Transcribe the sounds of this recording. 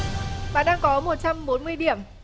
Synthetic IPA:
ɓa̰ː˧˨nɗaː˧ŋkɔ˨˦mo˨˩t̚t͡ɕa˧mɓo˨˦nmɨ˧əjɗi˧˩əm

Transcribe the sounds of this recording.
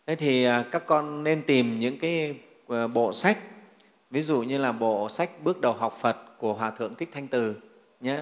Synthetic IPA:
ʔə˨˦jt̪ʰi˨˩ə˨˩kaː˦˥kːɔ˧nːe˧nt̪i˨˩mɲɨ̰˧˥ŋkaː˨˦j | ɓo̰˧˨sa˦˥jk̚ | vi˨˦zṵ˧˨ɲɨ˧laː˨˩ɓo̰˧˨sa˦˥jk̟̚ɓɨ˦˥ək̚ɗə˨˩wɦa˨˩wk͡p̚fə˨˩t̚ku˧˩əɦwaː˨˩t̪ʰɨ̰˧˨əŋt̪ʰi˦˥k̚t̪ʰa˧jŋ̟t̪ɨ˨˩ | ɲa˨˦

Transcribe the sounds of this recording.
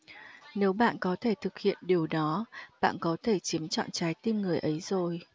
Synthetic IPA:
ne˨˦wɓa̰ː˧˨nkɔ˨˦t̪ʰe˧˩t̪ʰɨ˨˩k̚hḭ˧˨ənɗi˨˩əwɗɔ˨˦ɓa̰ː˧˨nkɔ˨˦t̪ʰe˧˩t͡ɕi˨˦əmt͡ɕɔ̰˧˨nt͡ɕaː˨˦jt̪i˧nŋɨ˨˩əjʔə˨˦jz̥o˨˩j

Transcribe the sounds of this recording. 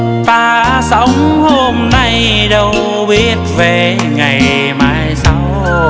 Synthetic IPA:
vaː˨˩ | sa˨˦wŋ͡mho˧mna˧j | ɗə˨˧˩w | ɓi˦˥ət̚ve˨˩ | ŋa˨˩j | maː˨˩jsa˨˦w

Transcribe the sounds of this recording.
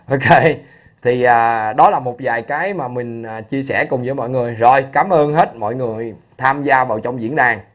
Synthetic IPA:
ʔo˧kʰe˧j | t̪ʰi˨˩ʔaː˨˩ɗɔ˨˦laː˨˩mo˨˩t̚vaː˨˩jkaː˨˦jmaː˨˩mï˨˩ŋ̟aː˨˩t͡ɕi˧əsɛ˧˩kʊ˨˩ŋ͡mzɨ̰˧˥˩mɔ̰˧˨jŋɨ˨˩əjzo˨˩jkaː˨˦mʔəː˧nɦe˦˥t̚mɔ̰˧˨jŋɨ˨˩əj | t̪ʰaː˧mzaː˧vaː˨˩wt͡ɕɔ˧wŋ͡mzḭ˧˥ənɗaː˨˩ŋ

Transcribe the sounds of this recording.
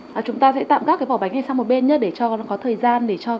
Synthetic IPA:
ʔəː˨˩t͡ɕʊ˨˦ŋ͡mt̪aː˧sɛ̰˧˥t̪a̰ː˧˨mka˦˥kːa˨˦ɓɔː˧˩ɓa˨˦ŋŋa˨˩sa˧ŋ͡mmo˨˩t̚ɓe˧nɲə˦˥ɗe˧˩t͡ɕɔ˧kɔ˨˦t̪ʰəː˨˩jzaː˧nɗe˧˩t͡ɕɔ˧

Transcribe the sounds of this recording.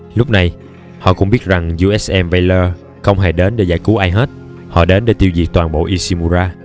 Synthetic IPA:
lʊ˦˥k͡p̚na˨˩j | hɔ̰˧˨kʊ̰˧˥ŋ͡mɓi˦˥ət̚za˨˩ŋzu˧ʔɛ˦˥sʔɛ˧mva˧ləː˧ | xə˧wŋ͡mɦe˧˩ɗe˨˦nɗe˧˩za̰˧˩jku˨˦ʔaː˧jɦe˦˥t̚ | hɔ̰˧˨ɗe˨˦nɗe˧˦t̪i˧əwzi˨˩ək̚t̪waː˨˩nɓo̰˧˨ʔi˧si˧mu˧zaː˧

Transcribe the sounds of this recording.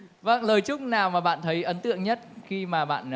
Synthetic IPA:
və˧ŋləː˨˩jt͡ɕʊ˦˥k͡p̚naː˨˩wmaː˨˩ɓa̰ː˧˨nt̪ʰə˨˦jʔə˨˦nt̪ɨ̰˧˨əŋɲə˦˥t̚xi˧maː˨˩ɓa̰ː˧˨n

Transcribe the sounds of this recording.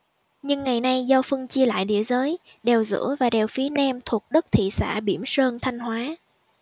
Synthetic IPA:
ɲɨ˧ŋːa˨˩jna˧jzɔ˧fɨ˧əŋt͡ɕi˧əla̰ː˧˨jɗḭ˧˩əzəː˨˦j | ɗɛ˨˩wzɨ̰˧˥əvaː˨˩ɗɛ˨˩wfi˨˦ənɛ˧mt̪ʰu˨˩ək̚ɗə˦˥t̚t̪ʰḭ˧˨sa̰ː˧˩ɓi˧˩əmsəː˧nt̪ʰa˧jŋ̟hwaː˨˦

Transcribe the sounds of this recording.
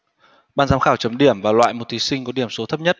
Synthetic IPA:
ɓaː˧nzaː˨˦mxaː˧˩wt͡ɕə˨˦mɗi˧˩əmvaː˨˩lwa̰ː˧˨jmo˨˩t̚t̪i˨˦sï˧ŋ̟kɗi˧˩əmso˨˦t̪ʰə˦˥p̚ɲə˦˥t̚

